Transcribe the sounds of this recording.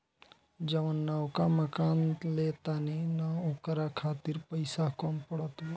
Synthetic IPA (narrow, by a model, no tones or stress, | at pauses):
d͡ʒɐʋənːɐwkaməkaːnleːt̪aninaokɾakʰaːt̪iɾpəjsakɔmpəɽət̪o